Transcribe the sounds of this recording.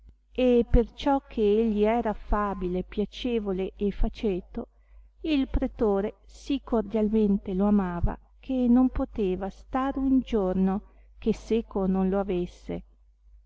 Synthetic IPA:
epert͡ʃɔkʰːeeʎːiɛːɾafaːbilepjat͡ʃeːvoleʔefat͡ʃeːt̪o | ilpɾet̪oːɾesikːord̪jalment̪eloamaːva̰ | kʰenːompot̪eːvast̪aːɾeund͡ʒorno | kesːeːkononloavesːḛ

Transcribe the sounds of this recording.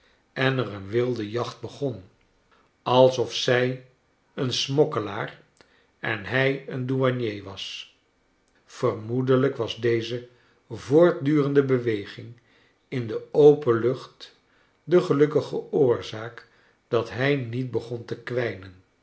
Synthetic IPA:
ɛnərənʋɪlˠdəjɑχt̚bəχɔn | ɑlˠsɔfsɛj | ənsmɔkəlaːr | ɛ̰nɦɛjənduɑnjejʋɑs | fərmudələkʋɑzdejzə | voːɹt̚dyːrəndəbəʋejχɪŋ | ɪndəowpəlɵχt | dəχəlɵkəχəʊːɹzaːk | d̥ɑtɦɛjnit̚bəχɔntəkʋɛjnən

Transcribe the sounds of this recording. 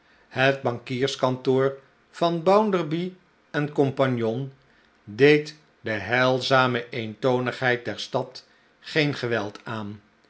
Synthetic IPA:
hət̚bɑŋkiːɹskɑntoːɹ | v̥ɑnbawndərbi | ɛnkɔmpɑnjɔn | dejt | dəɦɛlˠzaːməʔejntownəχɦɛjt̚dɛɹstɑt | χejnχəʋɛlˠtaːn

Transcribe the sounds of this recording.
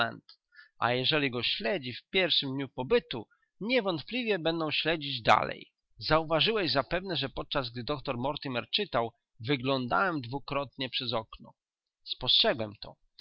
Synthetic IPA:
ɛ̰nt̪ | ʔa̰jɛʐɛlʲiɡɔɕlɛd͡ʑifpʲjɛɾfʂɘmd̪ɲupɔbɘt̪u | ɲɛvɔnt̪̚plʲivʲjɛbɛnd̪ɔ̃w̃ɕlɛd͡ʑid͡ʑd̪a̰lɛ̰j | zauvaʐɘwɛʑzapɛvnɛʐɛpɔt̪̚t͡ʂazɡ̚d̪ɘd̪ɔkt̪ɔɾmɔɾt̪ɘmɛɾt͡ʂɘt̪aw | vɘɡlɔnd̪a̰wɛmd̪vukɾɔt̪ɲɛpʂɛzɔknɔ̰ | spɔstʂɛɡwɛmt̪ɔ̰

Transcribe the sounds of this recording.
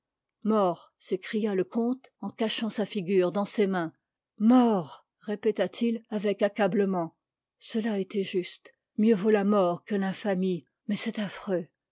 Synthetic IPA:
mɔʁ | sekχijaləkɔ̃t̪ɑ̃kaʃɑ̃safiɡʲyʁd̪ɑ̃semɛ̃ | mɔʁ | ʁepet̪at̪ʰilavɛkakabləmɑ̃ | səlaet̪ɛʒyst̪ | mjøvolamɔʁkəlɛ̃fami | mɛsɛt̪afχø

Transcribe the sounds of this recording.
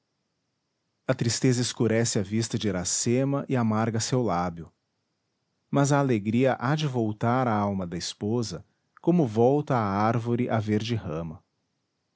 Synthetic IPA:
ɐt̪ɾist̪ezɐɪskuɾɛsɪɐvist̪ɐd͡ʒɪɾasemɐʔɪamaɾɡɐsewlabjʊ | mɐzɐːleɡɾiɐʔad͡ʒɪvowt̪aɾɐawmɐd̪ɐispozɐ | kõmʊvɔwt̪ɐːaɾvoɾɪʔɐveɾd͡ʒɪhɐ̃mɐ

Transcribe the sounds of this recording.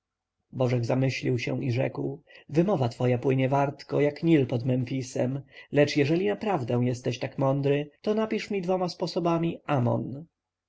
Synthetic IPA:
bɔʐɛɡzamɘɕlʲiwɕɛ̰̃ʔiʐɛ̰kwvɘmɔvat̪fɔjapwɘɲɛvaɾt̪kɔjakɲilpɔd̪mɛnfʲisɛmlɛt͡ʂjɛʐɛlʲinapɾavd̪ɛ̃w̃jɛst̪ɛɕt̪akmɔnd̪ɾɘt̪ɔnapʲiʂmʲid̪vɔmaspɔsɔbamʲiamɔ̰n

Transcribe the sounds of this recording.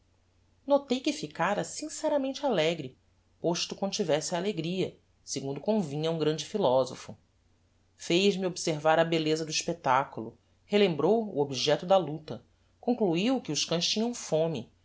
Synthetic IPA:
not̪ejkɪfikaɾɐsĩsɛɾɐmẽnt͡ʃɪalɛɡɾɪ | poʃt̪ʊkõd̪t͡ʃivɛsɪaleɡɾiɐ | seɡũnd̪ʊkõvĩɲɐũɡɾɐ̃nd͡ʒɪfilɔzofʊ | fejzmiobiseɾvaɾɐbelezɐd̪ʊiʃpet̪akulʊ | helẽmbɾowṵobiʒɛt̪ʊd̪ɐlut̪ɐ | kõŋkluiwkɪʊʃkɐ̃ʃt͡ʃĩɲɐ̃w̃fõmɪ

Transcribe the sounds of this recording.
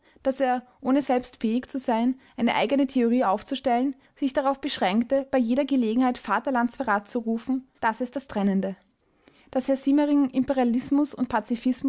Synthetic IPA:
d̥aseːɐʔoːnəzɛlpstfɛːɪçt͡suzaɪnʔaɪnəʔa̰ɪɡənətʰeoʁ̞iːaʊft͡suʃtɛlən | z̥ɪçd̥aʁaʊfb̥əʃʁ̥ɛŋktəb̥aɪjeːɾɐɡəleːɡŋ̩haɪtfaːtɐlantsfɛɐʁaːt̚t͡suʁuːfn̩d̥asɪstd̥astʁ̥ɛnəndə | d̥ashɛɐziːməʁɪŋɪmpɛʁialɪsmʊsʊnt̚pʰat͡sifɪsm

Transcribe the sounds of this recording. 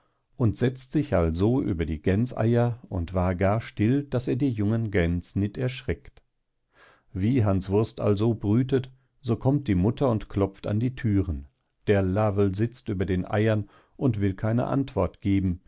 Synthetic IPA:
ʔʊntz̥ɛt͡stz̥ɪçʔalzoʔyːbɐdiːɡɛnt͡sʔa̰ɪɐʊntv̥aːɐɡaːɐʃtɪld̥aseːɐdiːjʊŋənɡɛnt͡snɪtɛɐʃʁ̥ɛkt | viːɦansv̥ʊɐstʔa̰lzobʁyːtət | z̥oːkʰɔmt̚d̥iːmʊtʰɐʊntklɔp͡fta̰ndiːtʰyːʁən | d̥eːɐlaːvl̩zɪt͡styːbɐdeːnʔa̰ɪɐn | ʔʊntv̥ɪlkʰaɪnə̰ʔa̰ntv̥ɔɐtɡ̥eːbm̩

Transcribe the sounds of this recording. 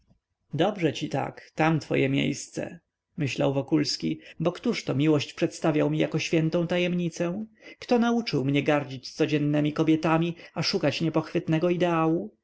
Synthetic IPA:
d̪ɔbʐɛt͡ɕit̪a̰kt̪amt̪fɔ̰jɛmʲjḛjst̪sɛ̰ | mɘɕla̰wvɔkulskʲḭbɔkt̪uʂt̪ɔmʲiwɔɕt͡ɕpʂɛt̪st̪avʲjawmʲijakɔɕfʲjɛnt̪ɔ̃w̃t̪ajɛmɲit̪sɛ̃kt̪ɔnaut͡ʂɘwmɲɛɡaɾd͡ʑit͡ɕst̪sɔd͡ʑɛnːɛmʲikɔbʲjɛt̪amʲiaʂukat͡ɕɲɛpɔxfɘt̪nɛɡɔid̪ɛawu

